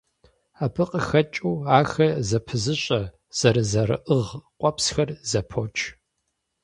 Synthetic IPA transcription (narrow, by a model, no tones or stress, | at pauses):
aːpʰɨqʼəxɐt͡ʃʼuːaːxɐzɐpʰɨzɨɕʼɐ | z̥ɐɾɨzɐɾɨ̰ʔəʁqʷʼɔpsxɐrzɐpʰot͡ʃʰʼ